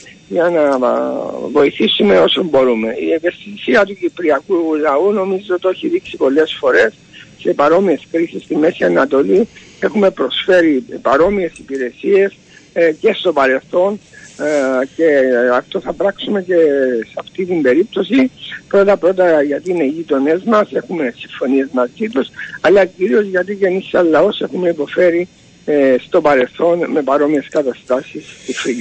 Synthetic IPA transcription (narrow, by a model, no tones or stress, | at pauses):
jɐnɐ | vo̞iθisume̞o̞sombo̞ɾume̞iepeft̪isiɐt̪ucipɾiɐkulɐuno̞mizeot̪oçiðiksipo̞lːe̞sfo̞ɾe̞s | se̞pɐɾo̞mie̞skɾisist̪imːe̞siɐnɐt̪o̞li | e̞xume̞pɾo̞sfe̞ɾipɐɾo̞mie̞sipiɾe̞sie̞s | ce̞st̪o̞pɐɾe̞lθo̞n | ce̞ɐft̪o̞θɐpɾɐksume̞ce̞sɐft̪it̪imbe̞ɾip̚t̪o̞sipɾo̞t̪ɐpɾo̞t̪̬ɐʝɐt̪ine̞iʝit̪o̞ne̞zmɐse̞xume̞siɱfo̞nie̞zmɐzit̪usɐlːɐciɾio̞zʝɐt̪ice̞nisːɐllːɐo̞se̞xumeipo̞fe̞ɾi | st̪o̞pɐɾe̞lθo̞nme̞pɐɾo̞mie̞skɐt̪ɐst̪ɐsist̪ifɾiʎ